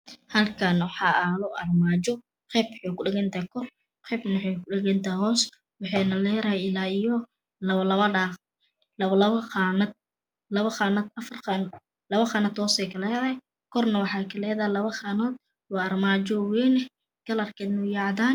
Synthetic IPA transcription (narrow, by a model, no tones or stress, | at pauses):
hɐlkʰanwɑħɑaːlɔʔɐrmaːt͡ʃɔ | qɛːbwʊħɑjkʰʊɖɪɣɐnt̪ʰaːkʰɔr | qɛːbnɐwħɛkʰʊɖɪɣɐnt̪ʰahɔːs | wɑħɑjnɐlɐjɐɾaːhɛɪlaːɪjɔ | lɐɐlɐβɐɽaː | lɐlɐβɐχanɐd̪̚ | lɐβɐχaːnɐd̪ɐfɐran | lɐβɐχɑːnɐːd̪hɔːsɛjkʰɐlɐjɐðaɛ | kʰɔrnɐwɑħɑːkʰɐlɛhðalɐβɐχɑːnɔːd̪ | wɑːɐrmaːt͡ʃɔwɛnɛ | ɡ̥ɐlɐrkʰɛːd̪nɐʊjɑʕd̪aːn